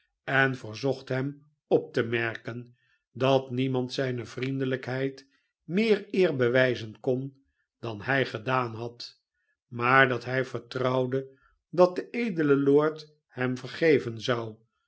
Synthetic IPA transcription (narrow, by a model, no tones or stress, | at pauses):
ɛnvəɹzɔχtɦɛm | ɔp̚təmɛɹkən | dɑtnimɑntsɛjnəvrindələkɦɛjt | mɪːɹɪːɹbəʋɛjzənkɔn | d̥ɑnhɛjχədaːnɦɑt | maːɹdɑtɦɛjvəɹtrɑwdə | dɑt̚dəʔejdələlʊːɹt | hɛmvəɹχejvənzɑw